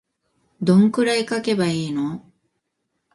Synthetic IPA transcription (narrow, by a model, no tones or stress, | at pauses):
d̪õ̞ŋkɯ̟ɾaikake̞baiːno